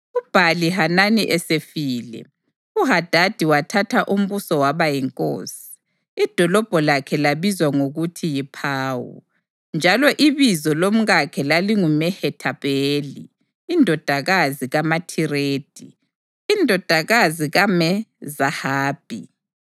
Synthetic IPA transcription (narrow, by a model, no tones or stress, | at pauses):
ub̥ʱaliɦananiʔɛsefiːlɛ̰ | uɦad̥ʱad̥ʱiwatʰatʰaʔum̩βusɔwaβajɛŋkʼo̰ːsi̥ | id̥ʱɔlɔb̥ʱɔlakʰɛlaβizwaŋoɣutʰijipʰaːwṵ | nd͡ʒʱalɔʔiβizɔlom̩ɣakʰɛlaliŋumɛhɛtʰaβeːlḭː | ndʱɔd̥ʱaɣaziɣamatʰireːd̥ʱiː | ndʱɔd̥ʱaɣaziɣamɛzahaːb̥ʱḭ